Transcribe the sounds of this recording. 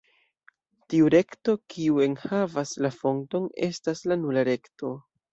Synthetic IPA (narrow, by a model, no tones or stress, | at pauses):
tiuɾe̞kto̞kʰiue̞nhavaslafo̞ŋto̞ne̞̰staslanulaɾe̞kto̞